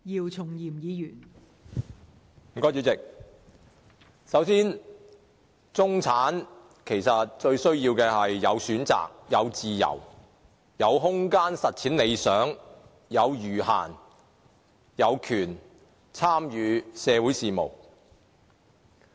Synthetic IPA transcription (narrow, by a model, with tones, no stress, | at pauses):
jiː˨˩wt͡sʰʊ˨˩ŋjiː˨˩mjiː˨˧jyː˨˩n | m̩˨˩kɔː˧˥jt͡syː˨˧˥t͡sɪ˨k̚ | sɐ˨˥wsiː˥n | t͡sʊ˥ŋt͡sʰaː˨˥n | kʰe˨˩jsɐ˨t̚t͡ʃɵ˧ɥsɵ˥ɥjiː˧wkɛː˧hɐ˨jːɐ˨˧wsyː˨˥nt͡sa̰ː˨k̚jɐ˨˧wt͡siː˨jɐ̰˨˩w | jɐ˨˧wɦʊ˥ŋkaː˥nsɐ˨t̚t͡sʰiː˨˥nle˨˧jsœː˨˥ŋ | jɐ˨˧wjyː˨˩ɦa̰ː˨˩n | jɐ˨˧wkʰyː˨˩n | t͡sʰaː˥mjyː˨˧sɛː˨˧wu˨˥jsiː˨mo̰˨˩w